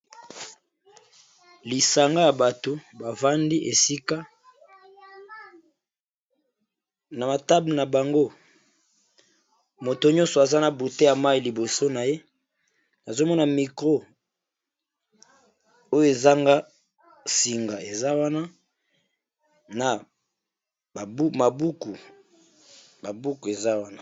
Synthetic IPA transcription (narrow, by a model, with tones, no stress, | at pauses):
li˨sa˨ŋɡa˦ja˨ba˨to˨ba˨va˦ndi˦ʔe˨si˦ka˦ | na˨ma˨ta˦bna˨ba˨ŋɡo˦ | mo˨to˨ɲɔ̃˦nsɔ˨a˨za˦na˨bu˨te˦ja˨ma˦i˨li˨bo˨so˦na˨je˦ | na˨zo˦mɔ˦na˨mi˨kʁo˦ | o˦jo˦e˨za˦ŋɡa˦ | si˨ŋɡa˨e˨za˦wa˦na˦ | na˨ | ba˨u˦ma˨bu˦ku˨ | ba˨bu˦ku˨e˨za˦wa˦na˦˨